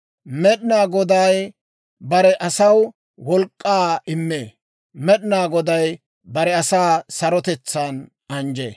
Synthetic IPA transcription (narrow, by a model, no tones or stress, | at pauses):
mɛɗɪnaːɡɔd̪ɐj | bɐɾɛʔɐsɐw | wɔlkʼːaːɪmːeː | mɛɗɪnaːɡɔd̪ɐj | bɐɾɛɐsaːsɐɾɔt̪ɛt͡sːɐn | ɐnd͡ʒḛː